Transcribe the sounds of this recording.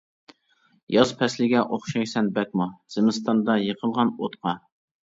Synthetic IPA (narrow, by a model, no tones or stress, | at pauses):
jɑzpʰɛslɪɡʲɛʔoχʃɑjsɛnbɛk̚ʲmuz̥ɪmɪst̪ɑnd̪ɑjəqʰəlˠʁɑnot̪qʰɑ